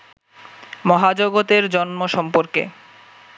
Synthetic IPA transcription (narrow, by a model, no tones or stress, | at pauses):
mɔɦad͡ʑoɡot̪eɾd͡ʑɔnmoʃɔmpoɾkḛ